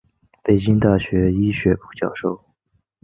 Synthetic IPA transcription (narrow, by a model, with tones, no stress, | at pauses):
pe˨˩ɪt͡ɕi˥ŋt̪a˥˩ɕɥɛ˧˥i˥ɕɥɛ˧˥pu˥˩t͡ɕjɑ˥˧ʊʂo˥˩ʊ